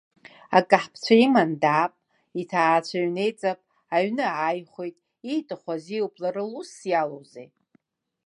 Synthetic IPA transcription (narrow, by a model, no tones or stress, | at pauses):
akʼaħpʰt͡ɕʷʰaimandaːpʼ | itʰaːt͡ɕʷʰaɥne̞jt͡sʼapʼ | aɥnɨajχʷejtʼ | ijtʼɨχʷaziwpʼlaɾɨlusjalowzḛj